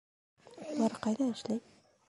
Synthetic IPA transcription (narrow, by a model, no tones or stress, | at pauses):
lˠɑɾqɑjd̪ɑɘ̆ʃlæj